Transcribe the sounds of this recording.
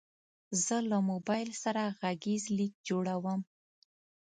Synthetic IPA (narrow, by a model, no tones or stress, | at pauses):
zəlamobɑjlsaɾaɣaɡizlik̚d͡ʒoɽawəm